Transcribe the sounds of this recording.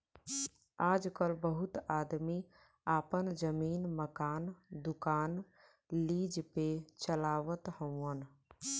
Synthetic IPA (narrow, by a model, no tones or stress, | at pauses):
aːd͡ʒkəlbəɦʊt̪aːd̪mi | aːpənd͡ʒəmiːnməkaːnd̪ʊkaːn | liːd͡ʒpet͡ʃəlaːʋət̪hə̃ʊ̃ən